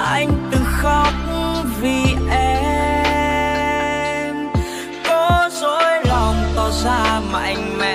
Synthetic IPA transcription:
ʔa˧jŋ̟t̪ɨ˨˩xɔ˧k͡p̚vi˨˩ʔɛ˧ | m | kɔ˨˦zo˧˥jlɔ˨˩wŋ͡mt̪ɔ˨˩zaː˧maː˨˩ʔa˧jŋ̟mɛ̰˧˨

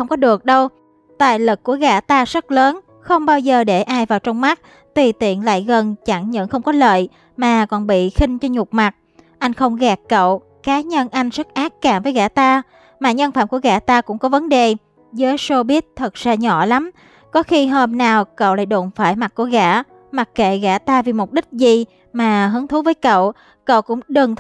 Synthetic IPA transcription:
xə˧wŋ͡mkɔ˨˦ɗɨ˨˩ək̚ɗə˧w | t̪a̰ː˧˨jlɨ˨˩kːu˧˩əɣa̰ː˧˩t̪aː˧zə˦˥t̚ləː˨˦n | xə˧wŋ͡mɓaː˧wzəː˨˩ɗe˧˩ʔaː˧jvaː˨˩wt͡ɕɔ˧wŋ͡mma˦˥k̚ | t̪i˨˩t̪ḭ˧˨ənla̰ː˧˨jɣə˨˩nt͡ɕa˧˩ŋɲə̰˧˨ŋxə˧wŋ͡mkɔ˨˦lə̰ː˧˨j | maː˨˩kɔ˨˩nɓḭ˧˨xi˧ŋ̟t͡ɕɔ˧ɲʊ˨˩k͡p̚ma˨˩t̚ | ʔa˧jŋ̟xə˧wŋ͡mɣaː˨˩kːə̰˧˨w | kaː˨˦ɲə˧nʔa˧jŋ̟sə˦˥k̚ʔaː˦˥k̚kaː˧˩mvəː˨˦jɣa̰ː˧˥t̪aː˧ | maː˨˩ɲə˧nfaː˧˩mku˧˩əɣa̰ː˧˥t̪aː˧kʊ̰˧˥ŋ͡mkɔ˨˦və˨˦nɗe˨˩ | zəː˨˦jso˧ɓi˦˥ət̚t̪ʰə˨˩t̚z̥aː˧ɲɔ̰˧˩˨la˨˦m | kɔ˨˦xi˧ɦəː˧mnaː˨˩wkə̰˧˨wla̰ː˧˨jɗo̰˧˩nfaː˧˩jma˨˩t̚ku˧˩əɣa̰ː˧˥ | ma˨˩k̚kḛ˧˨ɣa̰ː˧˩t̪aː˧vi˨˩mo˨˩t̚ɗï˦˥k̟̚zi˨˩ | maː˨˩ɦɨ˨˦əŋt̪ʰu˨˦vəː˨˦jkə̰˧˨w | kə̰˧˨wkʊ̰˧˥ŋ͡mɗɨ˨˩ŋt̪

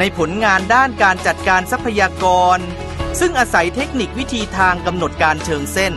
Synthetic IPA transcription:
na˧jpʰo˩˦nŋaː˧ndaː˥˩nkaː˧nt͡ɕa˨˩t̪̚kaː˧nsa˦˥pʰːa˧jaː˧kɔː˧n | sɯ˥˩ŋʔaː˧sa˩˦jt̪ʰe˦˥k̚ni˨˩k̚wi˦˥t̪ʰiː˧t̪ʰaː˧ŋka˧mno˨˩t̪̚kaː˧nt͡ɕʰɤː˧ŋse˥˩n

